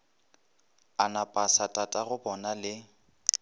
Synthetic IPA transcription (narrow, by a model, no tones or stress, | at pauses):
anapʼasatʼatʼaɣʊbɔnalɪ